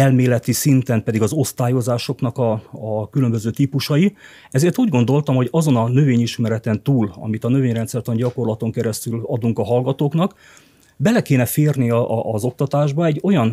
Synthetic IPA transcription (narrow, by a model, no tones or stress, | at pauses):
ɛlmeːlɛt̪isint̪ɛmpɛd̪iɡɒzo̞st̪aːjo̞zaːʃo̞knɒkɒːkylø̞mbøzøːt̪iːpuʃɒji | ɛzeːrt̪uːɟɡo̞nd̪o̞lt̪ɒmho̞ɟɒzo̞nɒnø̞veːɲiʃmɛɾɛt̪ɛnt̪uːlɒ̰mit̪ɒnø̞veːɲrɛnsɛrt̪ɒɲɟɒko̞rlɒt̪o̞ŋkɛɾɛst̪ylɒd̪uŋkɒɦɒlɡɒt̪oːknɒk | bɛlɛkeːnɛfeːrniɒʔːzo̞k̚t̪ɒt̪aːʒbɒɛɟːo̞jɒn